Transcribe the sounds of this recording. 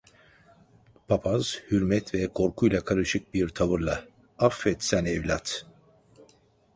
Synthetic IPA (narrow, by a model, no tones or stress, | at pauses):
pʰapʰaz̥hyɾmɛt̪vɛkʰo̞ɾkʰujlˠakʰaɾɯʃɯk̚biɾt̪ʰavɯɾlˠa | afːɛt̪sænɛvlʲat̪